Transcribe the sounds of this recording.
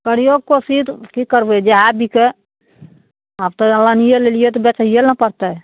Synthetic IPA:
kəɽijoɡ̚kosid̪kikəɾbɛd͡ʒeɦabike | abt̪ɔəlːanijelelijet̪ɔbɛt͡ʃəɦijelnəpəɾt̪ɛ

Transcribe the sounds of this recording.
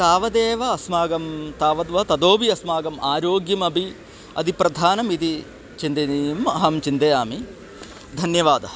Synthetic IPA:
t̪aːʋɐd̪eːʋɐɐsmaːɡɐmt̪aːʋɐd̪ʋɐɐt̪ɐd̪oːbiɐsmaːɡɐmʔaːɾoːɡjɐmɐbʱi | ɐ̰d̪ipɾɐd̪ʱaːnɐmid̪i | t͡ʃind̪ɐnijumɐɦɐmt͡ʃind̪ɐjaːmi | d̪ʱɐnjɐʋaːd̪ɐ

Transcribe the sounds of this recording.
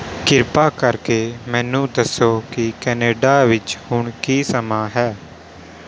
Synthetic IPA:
kɪɾpaːkəɾkeːmɛ̃ːnũːd̪əsoːkɪkɛːneːɖaːʋɪt͡ʃhʊɳkiːsəmaːɦɛː

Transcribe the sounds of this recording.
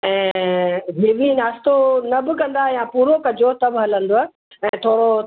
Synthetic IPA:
ɛ̃ː | ɦeːʋĩnaːst̪onɐbɪ̆kɐ̃nd̪ajãpuːɾokɐd͡ʑot̪ɐbʱɦɐlə̃nd̪oa | ɛ̃ːt̪ʰoːɽo

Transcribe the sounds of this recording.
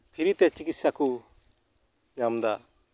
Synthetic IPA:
pʰiɾit̪ɛt͡ʃikit̪̚saku | ɲamd̪a

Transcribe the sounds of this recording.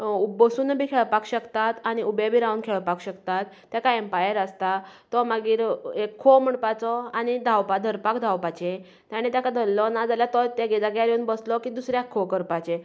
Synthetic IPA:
ubəsuːnbʱiːkʰeɭpakɕəkt̪at̪añiʔubebʱiɾaunkʰeɭpakɕəkt̪at̪ːjakaempajəɾəst̪at̪ɔməɡiːɾekʰːom̤əɳpat͡sɔañid̪ʱawpad̪ʱəɾpakd̪ʱawpat͡ɕẽ | t̪jaɽ̃et̪jakad̪ʱəlːɔnad͡zaljat̪ɔt̪ẽɡɛd͡z̪aɡjaɾeuːnbəslɔkiːd̪usɾjakʰːokəɾpat͡ɕẽ

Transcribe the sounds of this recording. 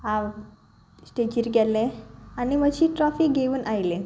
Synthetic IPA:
ɦa | sʈed͡ʑiɾɡɛlːẽanimʋəɕiːʈɾɔfiːkɡeʋuːnʔajlẽ

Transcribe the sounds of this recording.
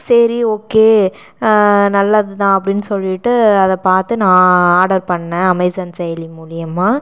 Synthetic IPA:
sɛɾioːkeː | nɐlːɐðɯt̪ãːɐpːɐɽɪnːɯsɔlːɪʈːɯɐðɐpaːɾt̪ɯnãːaːɽɐɾpɐɳːɛ̃ɐmɐɪsɐnsɛjɐlimuːlɪjɐmaː

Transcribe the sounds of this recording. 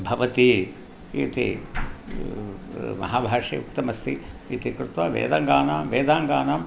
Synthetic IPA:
bʱɐʋɐt̪i | ḭːt̪ḭ | mɐ̰ɦaːbʱaːʂiukt̪ɐmɐst̪ʰiiːt̪ikɾut̪ʋɐʋḛːd̪ɐŋɡaːnamʋeːd̪aːŋɡaːnɐm

